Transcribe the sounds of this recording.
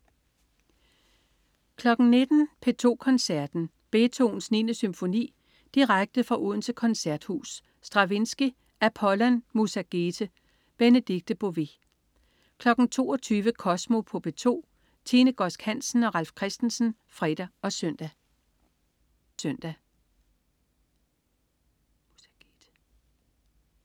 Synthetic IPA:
kʰlɒ̽ɡ̥n̩ne̝d̥n̩pʰe̝t͡sʰo̝̰ːkʰɒ̽nsæɐd̥n̩ | b̥e̝t͡sʰo̝̰ːn̩sninəsymfo̝nḭː | d̥iʁaɡ̥̚d̥əð̩ˠfʁɑ̈ʔuð̰ˠn̩t͡sʰe̝kʰɒ̽nsæɐd̥hṵːsː | d̥ʁɑ̈ʋe̝nsɡ̥i | ʔæpʰɒ̽lænmusæɡ̥eːt͡sʰə | b̥enəd̥iɡ̥̚d̥əb̥o̝ʋi | kʰlɒ̽ɡ̥n̩t͡sʰo̝̰ːɒt͡sʰyːʋəkʰɒ̽smo̝pʰɔ̽b̥et͡sʰo̝̰ː | t͡sʰiːnəɡ̥ɒ̽sɡ̥hæn̰sn̩ɒ̽ʁɑ̈l̰fkʰʁɛsd̥n̩sn̩ | fʁɛd̥ɐɒ̽sœn̰d̥æ | søn̰d̥æ

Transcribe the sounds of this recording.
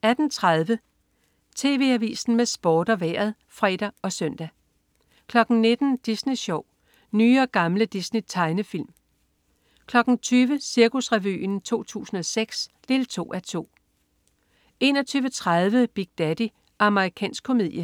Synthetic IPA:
æd̥n̩t͡sʰʁað̞ˠʋə | t͡sʰe̝ːʋe̝̰æʋḭːsn̩mesb̥ɒːd̥ɒ̽ʋæɐðˠ | fʁɛːd̥æɒ̽sœn̰d̥æ | kʰlɒ̽ɡ̥n̩ne̝d̥n̩d̥isniɕɒʊ̰ | nyːɒ̽ɡ̥ɑ̈mləd̥isnit͡sʰɑ̈ɪnəfil̰m | kʰlɒ̽ɡ̥n̩t͡sʰyːʋəsiɐkʰusʁɛʋy̰nt͡sʰo̝̰ːt͡sʰṵːsn̩ɒ̽seɡ̥sd̥e̝ːlt͡sʰo̝̰ːʔæt͡sʰo̝̰ː | e̝ːnɒt͡sʰyːʋət͡sʰʁað̞ˠʋəb̥iɡ̥̚d̥æd̥i | ʔɑ̈məʁikʰɛ̰ːnsɡ̥kʰo̝me̝ð̰ˠjə

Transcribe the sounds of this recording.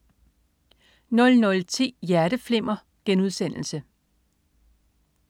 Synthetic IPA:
nɔ̽lnɔ̽lt͡sʰḭːjæɐɾ̥əfle̝m̰ɐ | ɡ̥enuð̞ˠsen̰l̩sə

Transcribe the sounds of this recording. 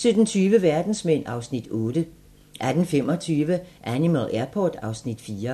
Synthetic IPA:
sød̥nt͡sʰyːʋəʋæɐd̥n̩smen̰ɑ̈ʊsnid̥ɔ̽ːd̥ə | ʔæd̥n̩fem̰ɒt͡sʰyːʋəʔænimælæɐpʰɒːd̥ɑ̈ʊsnid̥fiːɐ

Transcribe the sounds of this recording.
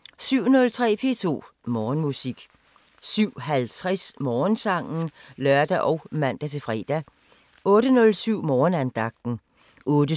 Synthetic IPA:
syʊ̰nɔ̽lt͡sʰʁɛ̰ːpʰe̝̰ːt͡sʰo̝̰ː | mɒːnmusiɡ̥ | syʊ̰ɦælt͡sʰʁɛsmɒːnsɑ̈ŋ̰n̩lɶɐd̥æʔɒʊmæn̰d̥æt͡sʰe̝fʁɛ̰d̥æ | ʔɔ̽ːɾənɔ̽lsyʊ̰mɒːnænd̥ɑ̈ɡ̥̚d̥n̩ | ʔɔ̽ːd̥ə

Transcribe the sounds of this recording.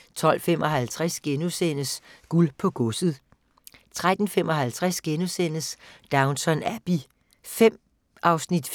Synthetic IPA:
t͡sʰɒ̽l̰femɒ̽ɦælt͡sʰʁasɡ̥enosen̰əsɡ̥ulpʰɒ̽ɡ̥ɔ̽səð̩ˠ | t͡sʰʁad̥n̩fem̰ɒ̽ɦælt͡sʰʁasɡ̥enosen̰əsd̥ɑ̈ʊnsɒ̽næb̥i | fem̰ | ʔɑ̈ʊsnid̥

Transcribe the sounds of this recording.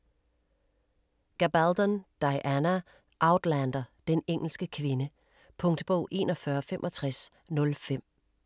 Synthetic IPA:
ɡ̥æb̥æld̥ɒnd̥ɑɪʔænæ | ʔɑ̈ʊd̥lænd̥ɐd̥eneŋ̰l̩sɡ̥əkʰʋe̝nə | pʰɔ̽ŋd̥əb̥ɔ̰ʊ̰ʔe̝̰ːnɒfɶɐfemʔɒ̽t͡sʰʁas | nɔ̽lfem̰

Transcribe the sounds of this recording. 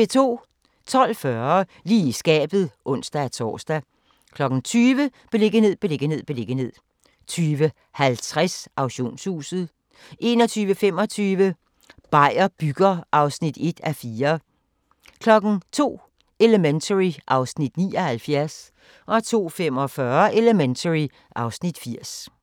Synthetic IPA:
e̝t͡sʰo̝̰ː | t͡sʰɒ̽l̰fɶɐliːsɡ̥ɛ̰ːb̥ð̩ˠʔɔ̽n̰sd̥æt͡sʰɒ̰ːsd̥æ | kʰlɒ̽ɡ̥ŋ̩t͡sʰyːʋəb̥e̝le̝ɡ̥əne̝ð̰ˠb̥e̝le̝ɡ̥əne̝ð̞̰ˠb̥e̝le̝ɡ̥əne̝ð̞̰ˠ | t͡sʰyːʋə | hælt͡sʰʁasʔɑ̈ʊɕo̝̰ːnshṵːsð̞̩ˠ | ʔe̝nɒ̽t͡sʰyːʋəfem̰ɒ̽t͡sʰyːʋə | b̥ɑ̈ɪ̰ɐb̥yɡ̥ɐʔɑ̈ʊsnid̥e̝d̥æfiːɐ | kʰlɒ̽ɡ̥n̩t͡sʰo̝̰ː | e̝ləment͡sʰəʁiʔɑ̈ʊsnid̥niːɒ̽hælfjæɐs | ʔɒ̽t͡sʰo̝̰ːfemɒ̽fɶɐʔe̝ləment͡sʰəʁi | ʔɑ̈ʊsnid̥fiɐ̰s

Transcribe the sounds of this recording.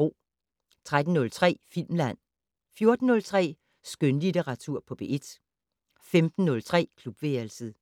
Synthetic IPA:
o̰ː | t͡sʰʁad̥n̩nɔ̽lt͡sʰʁɛ̰ːfil̰mlæn̰ | fjo̝ɐd̥n̩ːɔ̽lt͡sʰʁɛ̰ː | sɡ̥ønlit͡seʁɑ̈t͡sʰuɐ̰pʰɒ̽b̥e̝̰ʔe̝d̥ | femd̥n̩ːɔ̽lt͡sʰʁɛ̰ːkʰlub̥ʋeælsəð̩ˠ

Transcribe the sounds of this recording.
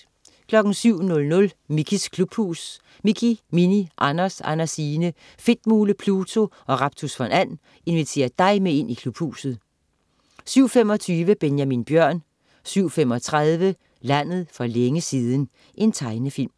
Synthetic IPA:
kʰlɒ̽ɡ̥n̩syʊ̰nɔ̽lnɔ̽lmikʰiskʰlub̥hṵːs | mikʰiminiʔɑnɐsɑ̰næsiːnə | fe̝d̥muːləpʰluːt͡sʰo̝ʔɒ̽ʁɑ̈b̥̚t͡sʰusfænæn̰ | e̝nʋit͡sʰe̝̰ːɐd̥ɑ̈ɪmee̝n̰ikʰlub̥hṵːsð̞̩ˠ | syʊ̰fem̰ɒ̽t͡sʰyːʋəb̥enjæminb̥jɶɐ̰n | syʊ̰fem̰ɒ̽t͡sʰʁaðˠʋə | læn̰ð̞̩ˠfɒ̽leŋəsiːð̞ˠn̩ | ʔe̝nt͡sʰɑ̈ɪnəfil̰m

